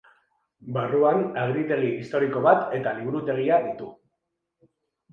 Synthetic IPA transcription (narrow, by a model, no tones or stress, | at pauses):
baruanaɣɾit̪e̞ɣ̞iist̪o̞ɾiko̞βat̪e̞t̪aliβuɾut̪e̞ɣ̞iaðit̪u